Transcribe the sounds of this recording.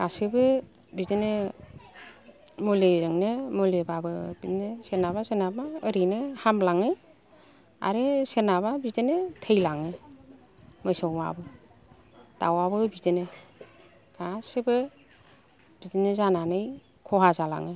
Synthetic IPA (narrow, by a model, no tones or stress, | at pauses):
ɡ̥asɯbɯ | bidinɯ | molezɯŋnɯmolebabɯbinɯsenaβasenabaːɾinɯhamlaŋɯ | a̰ɾɯsenaβabidenɯtʰəjlaŋɯ | məjsawma̰bɯ | d̥a̰wabɯbidinɯ | ɡ̥asebɯ | b̥idinɯzananɯj | kʰɔɦazala̰ŋɯ